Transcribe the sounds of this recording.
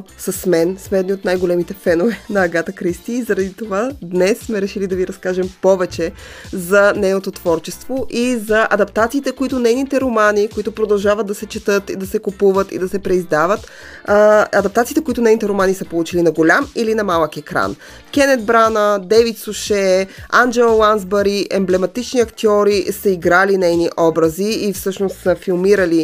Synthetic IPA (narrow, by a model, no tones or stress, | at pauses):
sɐsmɛnsmɛːd̪nʲiot̪najɡolɛmit̪ɛfɛnovɛnɐːɡat̪əkɾist̪iːzɐɾɐd̪it̪ovad̪nɛsːmɛɾɛʃilid̪ɐviɾɐskaʒɛmpɔvɛt͡ʃɛ | zɐnɛnot̪ot̪vɔɾt͡ʃɛst̪voʔizɐʔɐd̪ɐpt̪at̪siːt̪ɛkoit̪ʊnɛjnit̪ɛɾomanikoit̪ʊpɾod̪ɐlˠʒavəd̪̚d̪ɐsɛt͡ʃɛt̪ɤt̪ḭd̪ɐsɛkopuvət̪ḭd̪ɐsɛpɾɛizd̪avət̪ | ɐd̪ɐpt̪at̪siːt̪ɛkoit̪ʊnɛjnit̪ɛɾomanisəpolˠut͡ʃilinɐɡolʲamilinɐmalˠəkɛkɾa̰n | kʲɛnɛd̪̚bɾanəd̪ɛvit̪suʃɛand͡ʒɛlˠlˠanzbɐɾiʔɛmblɛmɐt̪it͡ʃniɐkt̪ʲiɔɾisəiɡɾalinɛjniʔɔbɾɐziːfsɤʃnost̪səfilˠmiɾəli